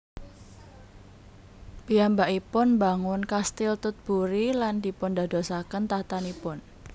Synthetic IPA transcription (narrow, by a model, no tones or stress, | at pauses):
b̥ijambaʔipʊnbaŋʊnkast̪ɪlt̪ʊt̪̚b̥uɾilandi̤pʊnda̤d̪osakənt̪at̪anipʊn